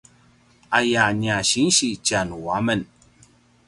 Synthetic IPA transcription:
ajaɲaɕinɕit͡ɕanuwamən

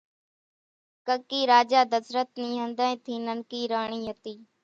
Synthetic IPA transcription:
kəkiːɾaːd͡ʒaːd̪əsɾət̪niːɦənd̪ẽːt̪ʰiːnənkiːɾaːɳ̃iːɦət̪iː

